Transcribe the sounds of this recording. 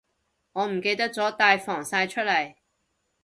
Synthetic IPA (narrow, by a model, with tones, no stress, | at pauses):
ŋɔː˨˧m̩˨˩ke˧jt̪ɐ˥k̚t͡sɔː˨˥t̪aː˧jfɔː˨˩ŋsaː˧jt͡ʃʰɵ˥t̚lɐ˨˩j